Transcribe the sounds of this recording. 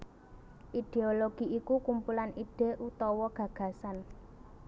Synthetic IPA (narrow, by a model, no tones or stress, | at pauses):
ʔid̪̥eoloɡ̥i̤ʔikukumpulaniɖ̪̥e̤ʔut̪ɔwɔɡ̥ä̤ɡ̥ä̤san